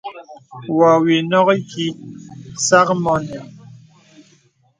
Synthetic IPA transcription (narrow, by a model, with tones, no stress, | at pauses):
wa˨we˨nɔ˦kki˦ | sa˦kmɔ˨˦nɛ˨